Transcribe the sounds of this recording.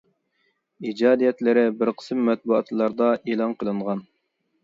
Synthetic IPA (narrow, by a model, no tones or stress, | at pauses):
id͡ʒɑːd̪ijɛt̪lɪɾɪbɪɾqʰə̥sɨmːɛt̪̚buɑt̪lˠɑɾd̪ɑʔeːlˠɑnqʰəlˠɨɴʁɑn